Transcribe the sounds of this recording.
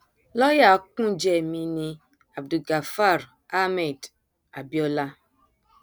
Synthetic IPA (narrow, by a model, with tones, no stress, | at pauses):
lɔ˦ja˦˨˦kũ˦d͡ʒe˦˨mi˦ni˦ | a˨b̚du˨ɡa˨fa˦˨ɾ | a˦mɛ˨d | a˨bjɔ˦la˦